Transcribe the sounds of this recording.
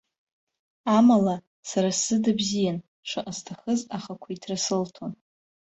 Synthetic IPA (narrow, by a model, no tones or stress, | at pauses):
amala | saɾasɨdabzijan | ʂʷɨʔʼastʰaχəzaχakʷʰaitʰrasɨltʰon